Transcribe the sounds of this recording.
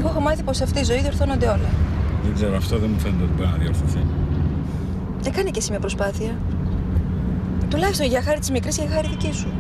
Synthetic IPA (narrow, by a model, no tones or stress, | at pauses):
eɣoexomɐθipo̞sɐft̪iizo̞iðio̞ɾθo̞no̞nd̪e̞o̞lɐðeɡzeɾoɐft̪o̞ðenmufeneneiboɾinɐðio̞̰ɾθoθi | ekɐnicesimiɐpɾo̞spɐθiɐ | t̪ulɐçist̪o̞nʝɐxɐɾit̪izmikɾiscexɐɾiðicisu